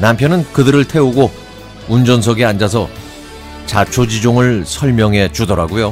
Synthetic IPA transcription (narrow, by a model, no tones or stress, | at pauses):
nampʰjʌnɯnkɯdɯɾɯɭtʰe̞uɡo | und͡ʑʌnsʰʌɡeand͡ʑas̬ʰʌ | t͡ɕat͡ɕʰod͡ʑid͡ʑoŋɯɭsʰʌɭmjʌŋɦe̞t͡ɕudʌɾaɡojo